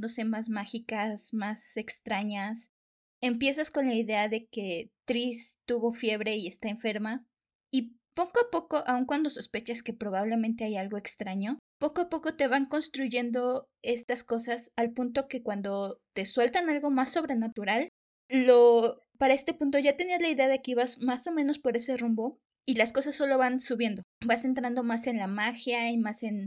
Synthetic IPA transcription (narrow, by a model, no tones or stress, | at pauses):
d̪ose̞mazmaxikasmase̞kst̪ɾaɲas | empje̞s̬asko̞nlaiðe̞aðe̞ke̞t̪ɾist̪uβo̞fje̞βɾe̞ie̞st̪ae̞ɱfe̞ɾma | i | po̞koapo̞ko̞ʔauŋkwand̪o̞so̞spe̞t͡ʃaske̞pɾo̞β̞aβ̞le̞mẽnt̪e̞ajalɣo̞e̞kst̪ɾaɲo̞po̞koapo̞ko̞t̪e̞βaŋko̞nst̪ɾuʝe̞nd̪o̞ | e̞st̪asko̞sasalpunt̪o̞ke̞kwand̪o̞t̪e̞swe̞lt̪analɣo̞masːo̞βɾe̞nat̪uɾalː | o̞ | paɾae̞st̪e̞pũnt̪̬o̞ʝat̪e̞niazlaiðe̞aðe̞ke̞iβazmaso̞meno̞spo̞ɾe̞se̞rumbo̞ | ilasko̞sasːo̞lo̞βansuβje̞nd̪o̞base̞nt̪ɾand̪o̞mase̞nlamaxjaimase̞n